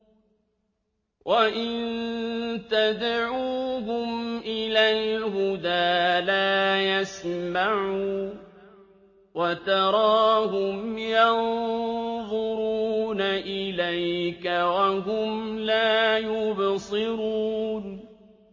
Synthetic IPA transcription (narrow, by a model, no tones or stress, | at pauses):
wʔaʔɪnt̪ad̪ʕuːɦʊmʔɪlalɦʊd̪aːlaːjasmaʕuː | wat̪ɑɾˤɑːɦʊmjɑn | ðˤʊɾuuːnaʔɪlajkawaɦʊmlaːjʊbsɨɾuːn